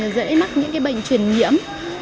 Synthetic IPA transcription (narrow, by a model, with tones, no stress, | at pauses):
əː˨˩zə̰˧˥jma˦˥t̚ɲɨ̰˧˥ŋkaː˨˦jɓə̰˧˨jŋ̟t͡ɕwi˧˨˩ənɲḭ˧˥əm